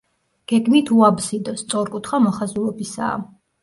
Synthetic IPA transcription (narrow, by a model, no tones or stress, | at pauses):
ɡ̥ɛɡmit̪ʰuabzid̪ɔst̪sʼɔɾkʼut̪ʰχamɔχazulˠɔbisa̰ː